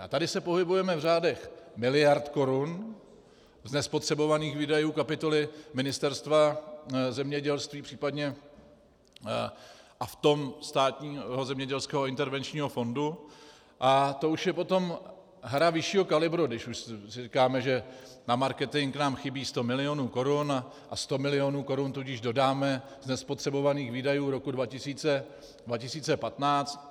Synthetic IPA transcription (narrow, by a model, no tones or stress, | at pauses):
ʔa̰t̪adɪsɛpo̞ɦɪbujɛmɛvr̝aːdɛxmɪlɪjaɾt̪ko̞ɾun | znɛspo̞t̪r̥ɛbo̞vaniːxviːdajuːkapɪt̪o̞lɪmɪnɪst̪ɛɾst̪vazɛmɲɛɟɛlst̪viːpr̥iːpadɲɛ | ʔaft̪o̞mst̪aːt̪ɲiːɦo̞zɛmɲɛɟɛlskɛːɦoɪnt̪ɛɾvɛnt͡ʃɲiːɦo̞fo̞ndu | ʔat̪o̞uʃjɛpo̞t̪o̞m | ɦɾavɪʃiːɦokalɪbɾudɪʃuʃsɪrikaːmɛʒɛnamaɾkɛt̪ɪŋknaːmxɪbiːst̪o̞mɪlɪonuːko̞ɾun | ʔast̪o̞mɪlɪo̞nuːko̞ɾunt̪uɟɪʒdo̞daːmɛ | znɛspo̞t̪r̝̥ɛbo̞vaniːxviːdajuːɾo̞kudvacɪsiːt͡sɛ | dvacɪsiːt͡sɛpat̪naːt͡st̪